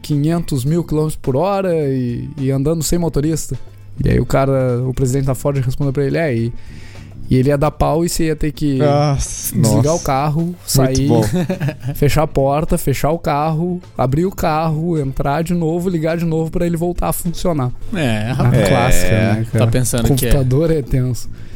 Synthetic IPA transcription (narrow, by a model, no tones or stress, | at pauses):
kʰĩɲẽnt̪ʊzmiwkilõmet̪ɾʊspʊɾɔɾɐɪːɐ̃nd̪ɐ̃nd̪ʊsẽj̃mot̪oɾist̪ɐ | ɪa̰ḭʊkaɾɐʊpɾezid̪ẽtt͡ʃɪt̪afɔɾt͡ʃɪɦespõnd̪eɪp̬ɾɐelɪɛɪ | ɪelɪɛd̪apawɪseiɐt̪ekɪasnɔziɡaʊkaɦʊsmãibõfeʃapɔɾt̪ɐfeʃaʊkaɦʊ | a̰bɾiʊkaɦʊẽnt̪ɾaɾd͡ʒɪnovʊliɡaɾd͡ʒɪnovʊpɾɐelɪvowt̪aɾɐfũsionaɛaɛkla̰si̥kɐnɛkaaɐpẽsɐ̃ndk̪kõpuɛt̪ad̪oɾɛt̪ẽsʊ̥